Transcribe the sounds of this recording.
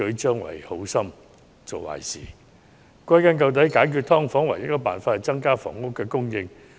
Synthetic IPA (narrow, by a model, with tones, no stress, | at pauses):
ɵ˨˥ɥt͡ʃœː˥ŋwɐ̰˨˩jho˨˥wsɐ˥m | t͡so˨wwa̰ː˨˩jsḭː˨˩ | kʷɐ˥jkɐ˥nkɐ˧wt̪̬ɐ˨˥jkaː˨˥jkʰy˧t̪̚ʰɔː˥ŋfɔː˨˥ŋwɐ˨˩jɐ˥t̚kɔː˧paː˨nfaː˧t̚hɐ˨˩jt͡sɐ˥ŋkaː˥fɔ̰ː˨ŋːʊ˥kːɛː˧kʊ˥ŋjɪ˧ŋ